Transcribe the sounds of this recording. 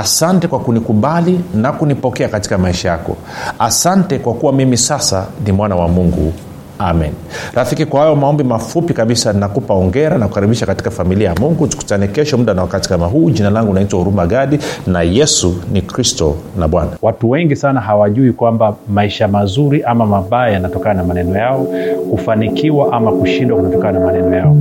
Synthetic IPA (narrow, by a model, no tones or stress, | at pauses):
asantɛkwakunikuɓalinakunipɔkɛakati̥kamaiʃajakɔ̰ | asantɛkwakuwamimisasa̰nimwanawamuŋɡṵ | amɛ̰nɾafikikwahajɔmaɔmbimafupikaɓisaninakupaɔŋɡɛɾanakukaɾiɓiʃakati̥kafamiliajamuŋɡutu̥ku̥tanɛkɛʃɔm̩ɗanawakati̥kamaɦuːʄinalaŋɡuːnaitwahuɾumaɡaɗinajɛsunikɾistɔnaɓwanawatuwɛŋɡisanaɦawaʄuikwambamaiʃamazuɾiʔamamaɓajajanatɔkananamanɛnɔjaɔkufanikiwaʔamakuʃindwakunatɔkananamanɛnɔjaɔ